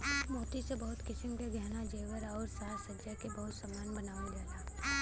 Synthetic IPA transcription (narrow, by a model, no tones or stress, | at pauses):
mɔːt̪isebɐɦʊt̪kɪsɪmkeɡʱɛɦnad͡ʒeːʋəɾɔːɾsaːɾsɐd͡ʒakebɐɦʊt̪samaːnbɐnaːʋed͡ʒaːt̪a